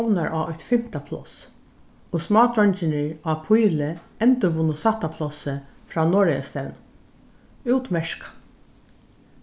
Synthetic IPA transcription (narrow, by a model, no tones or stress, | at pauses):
wnaɹʔaːɔjt̪fɪm̥t̪apʰlɔ̰s | osmɑːt̪ɹɔnt͡ʃɪnɪɹaːpʰʊjlɪɛnt̪əvʊnʊsaht̪apʰlɔsɪfɾaːnɔːɹɪja̰st̪ɛwn | uːwt̪mɛʃkḁ